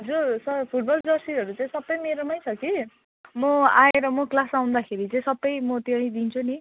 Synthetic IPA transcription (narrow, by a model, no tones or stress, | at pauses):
d͡zusʌpʰuʈ̚bʌld͡zʌrsiʌɾut͡sãĩsʌbːʌjmeɾʌmajt͡sʰʌki | mʌaeɾʌmʌklasaw̃nd̪akʰeɾit͡saĩsʌbːʌjmʌt̪eɽ̃ĩd̪int͡sʰuni